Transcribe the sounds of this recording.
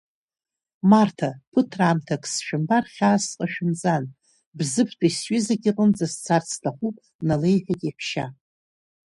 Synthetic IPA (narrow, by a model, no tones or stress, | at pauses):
martʰapʰɨtʰraːmtʰakʰʼsʃᶣɪmbarχʲaːsqʼaʃᶣɪnt͡sʼan | bzɨpʰtʷʰaisɥʏzaɡʲiqʼənd͡zast͡sʰart͡sʰtʰaχʷupʼ | nale̞jħʷᶣakʼiħʷʰʃa̰